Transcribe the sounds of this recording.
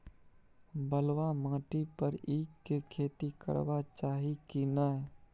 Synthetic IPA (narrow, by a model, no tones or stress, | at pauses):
bəlʋamãːʈipəɾiːkːekʰeːt̪ikə̰ɾʋat͡ʃaːɦikinaɦ